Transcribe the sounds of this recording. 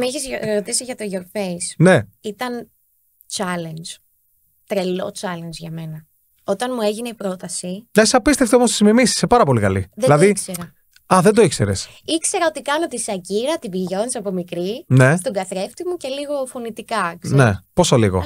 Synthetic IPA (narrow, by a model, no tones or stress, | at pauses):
meçizɾɾo̞t̪isiʝɐt̪o̞ʝoɾfeisne̞it̪ɐn | t͡ʃɐlend͡ʒ | t̪ɾe̞lo̞̰t͡ʃɐlend͡ʒʝɐme̞nɐ | o̞t̪ɐnmue̞ʝineipɾo̞t̪ɐsilɐsɐpist̪eft̪eomost̪izmimisi̥sepɐɾɐpo̞likɐlḭðlɐðikseɾɐ | ɐðe̞nd̪oikse̞ɾes | ikse̞ɾɐot̪ikɐno̞t̪isɐciɾɐt̪ibiʝo̞nsɐpomikɾine̞st̪oɡɐθɾe̞ft̪imuce̞liɣo̞fo̞nit̪ikɐkneposoliɣo̞̰